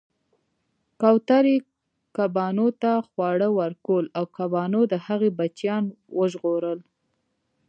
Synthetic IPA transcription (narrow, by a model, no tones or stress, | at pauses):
kawt̪aɾe | kabɑnot̪axwɑɽəwaɾkolawkabɑnod̪əhaɣebat͡ʃjɑn | wəʒɣoɾəl